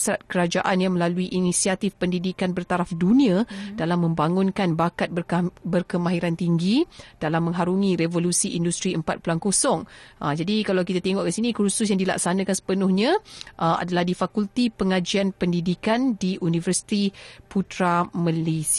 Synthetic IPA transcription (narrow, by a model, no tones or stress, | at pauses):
sɾat̪̚kəɾad͡ʒaʔanjaŋməlaluiʔinisiat̪ifpəndidikanbərt̪aɾafdunĩãdalamːə̃mbaŋʊnkanbakat̪̚bəbərkəmãɦiɾant̪iŋɡid̥alamːə̃ŋɦaɾuŋĩɾevolusiʔindust̪ɾiəmpat̪̚plankosɔŋʔəd͡ʒadikalawkit̪at̪eŋɔʔkəsinĩkɾusʊs̬jaŋdila̰ksanãkansə̥pənʊhɲãʔəa̰dalahdifakult̪ipəŋad͡ʒianpəndidikandiʔunĩvərsi̥t̪iput̪ɾaməles